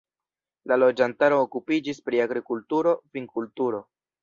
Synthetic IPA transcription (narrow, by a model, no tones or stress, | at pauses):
lalo̞d͡ʒantaɾo̞ːkupid͡ʒispɾiaɡɾikultuɾo̞piŋkultuɾo̞